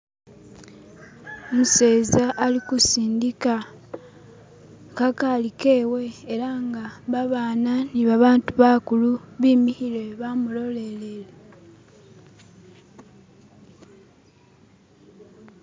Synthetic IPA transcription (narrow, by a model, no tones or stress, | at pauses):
omuseːzaʔːlikusiːndika | kakaːlike̞ːwe̞ːɾaŋɡaβaβaːnaniβaβaːntuβakuluβiːmihile̞βamulo̞le̞lele